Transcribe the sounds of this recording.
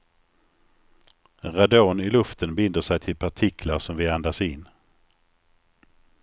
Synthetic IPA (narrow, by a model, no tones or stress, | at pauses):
ɾad̪oːnɪlɵft̪ənbɪnd̪əʂɛjt̪ʰɪlpʰaʈʰɪkʰlaɾʂɔmvɪand̪asɪnː